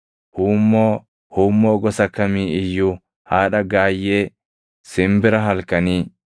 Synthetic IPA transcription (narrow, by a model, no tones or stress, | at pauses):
huːmːo | huːmːoːɡɔsɐkːɐmiːɪjːʊ | haːᶑɐɡaːjːeː | sɪmbɪɾɐɦɐlkːɐniː